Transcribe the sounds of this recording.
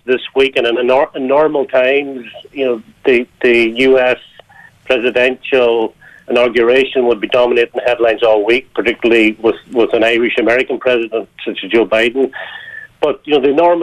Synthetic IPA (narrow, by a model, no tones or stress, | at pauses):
ðɪswikɨ̃nɨ̃nənənɔɹməlˠtʰãɪ̃mzjɨnoʊ | ðɨðɨjʉɛspʰɹ̥ɛzɨdɛ̃nʃəlˠ | ɪ̃nɑɡjə˞eɪʃə̃nwəd̚bidɑməneɾdn̩hɛdˡlãɪ̃nzɔlˠwik̚pʰə˞tɪkjl̩ˠəlˠiwɪðwɪðə̃naɪɹɨʃɨmɛɹɨkə̃n̩pʰɹ̥ɛzɨdə̃ntsʌt͡ʃɨzd͡ʒoʊbaɪdⁿn̩ | b̥ʌt̚jɨnoʊðɨnɔɹm